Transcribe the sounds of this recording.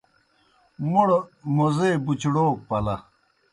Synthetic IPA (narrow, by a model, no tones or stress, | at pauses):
muɽmozeːbut͡ɕɽoːk̚pɐlɐ